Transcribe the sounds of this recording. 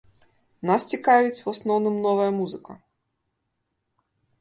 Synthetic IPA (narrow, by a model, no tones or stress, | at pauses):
nast͡sʲikavʲit͡sʲwasnɔwnɨmnɔvɐjɐmuzɨkɐ